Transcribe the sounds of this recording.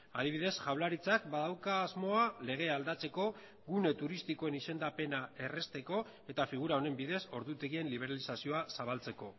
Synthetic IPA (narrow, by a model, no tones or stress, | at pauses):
að̞iβ̞iðe̞sʝaβlaɾit͡sakbaðawkaːzmo̞ale̞ɣ̞e̞ald̪at͡se̞ko̞ | ɣune̞t̪uɾist̪iko̞enise̞nd̪ape̞nae̞re̞st̪e̞ko̞ | e̞t̪afiɣ̞uɾao̞ne̞mbiðe̞so̞ɾðut̪e̞ɣie̞nliβ̞e̞ɾalisasio̞asaβalt͡se̞ko̞